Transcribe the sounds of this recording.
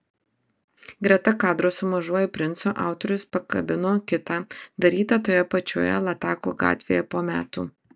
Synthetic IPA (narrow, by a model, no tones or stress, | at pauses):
ɡɾʲɛt̪ɐkɑːd̪ɾoːsʊmɐʒuɔjɛpʲɾʲɪnt̪soːʔɑˑʊt̪ɔɾʲʊspɐkɐ̰bʲɪnoːkʲɪt̪ɑːd̪ɐɾʲiːt̪ɐt̪oːjɛpɐt͡ʃʲo̰ːjɛ̰lˠɐt̪ɑːkṵɡɑ̰ːt̪ʲʋʲḛːjɛpoːmʲæ̰ːt̪ṵː